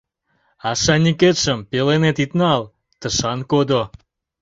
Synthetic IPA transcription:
ɑʃɑnʲiket̪ʃəmpelenet̪it̪nɑl | t̪əʃɑnkod̪o

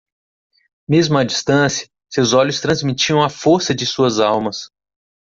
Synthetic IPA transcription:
mezmʊɐd͡ʒist̪ɐ̃sjɐ | sewzɔʎʊst̪ɾɐ̃zmit͡ʃiɐ̃w̃ɐfoɾsɐd͡ʒɪsuɐzawmɐs

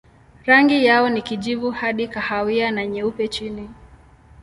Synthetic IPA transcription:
ɾaŋɡijaɔnikiʄivuhaɗikahawianaɲɛupɛt͡ʃini

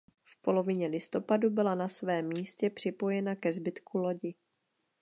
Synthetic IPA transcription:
fpo̞lo̞vɪɲɛlɪst̪o̞padubɪlanasvɛːmːiːscɛpr̝̥ɪpo̞jɛnakɛzbɪt̪kʰulo̞ɟɪ

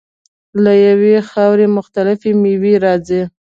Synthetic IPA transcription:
lajawexɑwɾemʊxt̪alɪfemiwiɾɑd͡zi

